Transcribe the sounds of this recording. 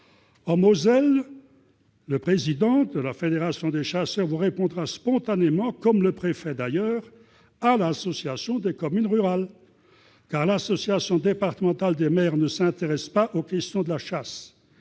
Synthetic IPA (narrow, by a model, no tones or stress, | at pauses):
ɑ̃mozɛl | əpχezid̪ɑ̃d̪əlafed̪eʁasjɔ̃d̪eʃasœʁvuʁepɔ̃d̪ʁaspɔ̃t̪anemɑ̃kɔmləpχefɛd̪ajœːʁ | alasɔsjasjɔ̃d̪ekɔmynʁyʁal | kaʁlasɔsjasjɔ̃d̪epaʁt̪əmɑ̃t̪ald̪emɛːʁnəsɛ̃t̪eʁɛspaʔokʲɛst̪jɔ̃d̪əlaʃas